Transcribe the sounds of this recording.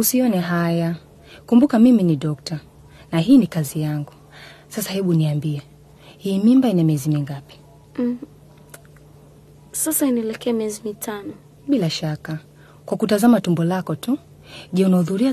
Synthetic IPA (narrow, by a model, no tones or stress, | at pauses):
usiɔnɛɦaja | kumbukamiminiɗɔk̚ta | naɦiːnikazijaŋɡu | sasahɛɓuniambiɛ | hiːmimbainamiɛzimiŋɡapi̥ | sasainɛɛlɛkɛamiɛzimitʰanɔ | ɓilaʃaka | kwakutazamatumbɔlakɔtu | ʄɛunahuðuɾia